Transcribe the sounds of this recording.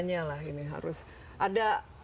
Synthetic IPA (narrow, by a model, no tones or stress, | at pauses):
ɲalaɦiniɦa̰ɾʊs | ʔada